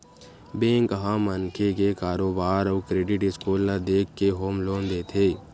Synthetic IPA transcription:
bẽːŋkɦãmənkʰekekaːɾoːbaːɾɔːkɾeːɖɪʈɪskuːlːad̪eːkʰːeɦoːmloːnd̪eːt̪ʰeː

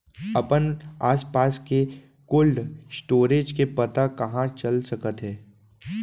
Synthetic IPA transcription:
ɐpənaːspaːske | kʊlɖsʈoːɾeːd͡ʒkepət̪akɐɦãt͡ʃɐlsɐkət̪ɦɛː

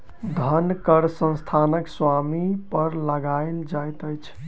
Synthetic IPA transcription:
d̪ʱənkəɾsə̃nst̪ʰanəkswamipəɾləɡaɪld͡ʒajt̪əjt͡ʃʰ

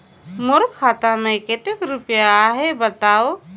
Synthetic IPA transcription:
moɾkʰːat̪amẽket̪ekɾupjaːɦebət̪aːo

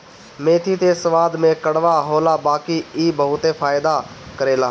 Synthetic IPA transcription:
mẽːt̪ʰit̪esəʋaːd̪mẽkəɽʋaɦoːlabaːkiiːbəɦʊt̪efʰaːɪd̪akəɾeːlaː

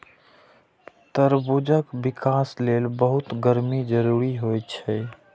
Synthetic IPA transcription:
t̪əɾbud͡ʒəkbikaslelbəɦut̪ɡəɾmid͡ʒəɾuɾiɦojt͡ʃʰɛ

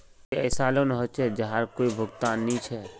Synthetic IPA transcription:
eɐːsaːlonɦot͡ʃʰɛd͡ʒɐɦaːɾkoːibʱʊɡt̪aːnːĩt͡ʃʰɛ

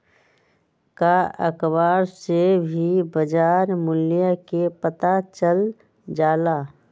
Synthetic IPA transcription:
kaə̰kbaːɾsebʱibəd͡ʒaːɾmʊljakepət̪at͡ʃəl | d͡ʒaːlaː

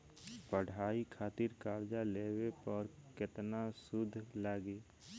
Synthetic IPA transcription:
pəɽ̤aːikʰaːt̪ɪɾkaːɾd͡ʒaleːwepəɾkɪt̪nasʊd̪ʱːlaːɡeː

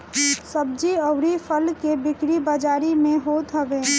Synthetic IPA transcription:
səb̚d͡ʒiəʊɾipʰəlkebɪkɾibad͡ʒaːɾimẽɦoːt̪ɦəʋe

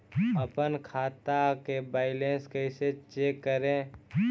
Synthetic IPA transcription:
əpənkʰaːt̪akebaːɪlẽːnskəɪset͡ʃeːkːəɾẽ

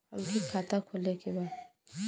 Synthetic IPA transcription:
ɐlkikʰaːt̪akʰolekebaːd̪

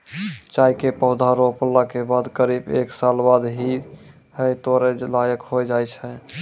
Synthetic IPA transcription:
t͡ʃajkepəʊd̪ʱaɾopəlːakebad̪kəɾibḛksalbad̪ɦi | həjt̪oɾelajəkɦojd͡ʒajt͡ʃʰɛ

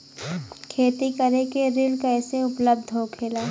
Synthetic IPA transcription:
kʰeːt̪ikəɾekeɾɪlkɛːseʊpləb̚d̪ʱɦokʰeːlaː

